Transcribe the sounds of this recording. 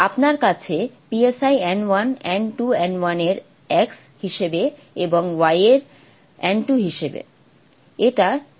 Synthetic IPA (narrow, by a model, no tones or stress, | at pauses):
apnaɾkat͡ɕʰepiesajɛnwanɛɳʈuɛnwaneɾ | ɛks | hiʃebe | eboŋwajeɾ | ɛɳʈuɦiʃebḛ | eʈa